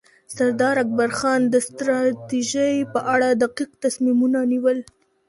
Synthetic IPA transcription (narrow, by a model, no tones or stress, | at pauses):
saɾd̪ɑɾak̚baɾxɑnd̪əst̪ɾɑt̪iʒəjpəʔaɽad̪aqiqt̪asmimunaniwəl